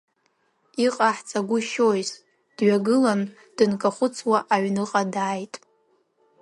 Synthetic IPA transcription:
iqʼaħt͡sʰʼaɡʷʊʃojz | d̥ɥaɡɨlan | d̥ɨnkʼaχʷʊt͡sʰwaʔaɥnɨqʼadaːjtʼ

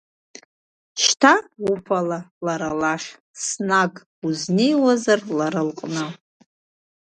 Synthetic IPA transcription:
ʃtʰaupʰalalaɾalaʂ | snakʼ | uznejwazarlaɾɨlqʼnɨ

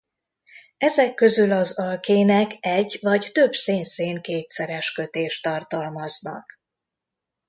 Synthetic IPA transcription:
ɛzɛkːø̞zylɒzɒlkeːnɛkɛɟːvɒct̪ø̞bseːnseːŋkeːt̪sɛɾɛʃkø̞t̪eːʃt̪ːɒrt̪ɒlmɒznɒ̰k

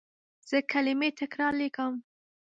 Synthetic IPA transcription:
z̥əkʰalɪmet̪ɪkɾɑɾlekəm

